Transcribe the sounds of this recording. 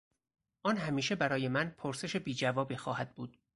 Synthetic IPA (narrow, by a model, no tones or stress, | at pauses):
ʔɒːnɦæmiːʃebæɾɒːjemænpʰoɾse̞ʃebiːd͡ʒævɒːbixɒːhæd̪̚buːd̪̥